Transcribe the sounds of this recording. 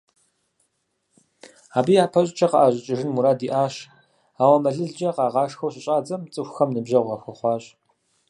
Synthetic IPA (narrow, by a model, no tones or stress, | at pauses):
aːbiːjaːpʰɐɕʼt͡ʃʰɐqɐʔaːɕʼɪt͡ʃʼɪʒɪnmuɾaːdiːʔaːɕ | aːwɐmɐɮɨɮd͡ʒɐqɑːʁɑːʂxɐwɕʼɪɕʼaːd͡zɐmt͡sʼɨxʷxɐmnɨbʑɐwʁɐxʷɐχʷɑːɕ